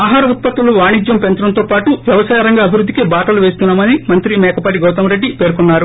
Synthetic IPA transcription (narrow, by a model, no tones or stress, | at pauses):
aːɦaːɾɐut̪̚pɐt̪ːuluʋaːɳid͡ʒjɐmpent̪ɾɐnt̪o̞ːpaːʈuʋjɐʋɐsaːjɐɾɐŋɡaːɐbʱiɾud̪ʱːikebaːʈɐluʋe̞ːst̪unːaːmɐnimɐnt̪ɾimɛːkɐpaːʈiɡowt̪ɐmɾe̞ɖːipe̞ːɾkunːaːɾu